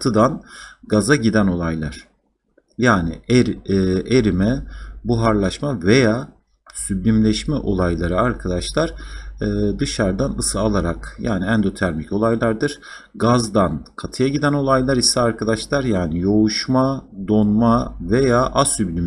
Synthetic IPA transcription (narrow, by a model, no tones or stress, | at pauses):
t̪ʰɯd̪anɡazaɟid̪æno̞lˠajlˠaɾ̥ | jaːnɪ̰ɾʔeɾimɛbuɦaɾlˠaʃmave̞jaː | syblʲimlʲɛʃmɛʔo̞lˠajlˠaɾɯaɾkʰad̪aʃlˠaɾ̥ː | d̪ɯʃaɾd̪anɯsɯalˠaɾakjaːniɛnd̪o̞t̪ʰæɾmico̞lˠajlˠaɾd̪ɯɾ̥ | ɡazd̪ankʰat̪ʰɯjaɟid̪æno̞lˠajlˠaɾisɛaɾkʰad̪aʃlˠaɾjaːnijo̞uʃmad̪o̞nmave̞jaːʔasyblʲim